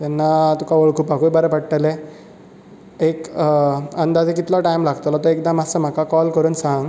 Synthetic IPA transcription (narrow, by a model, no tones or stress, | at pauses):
t̪ɛnːat̪ukaʋəɭkʰuːpakuibəɾəpəɽʈəle | ek | ənd̪ad͡zek̬it̪lɔʈajmlaɡt̪olɔt̪ɔek̚d̪amasəm̤akakɔlkəɾuːnsãŋɡ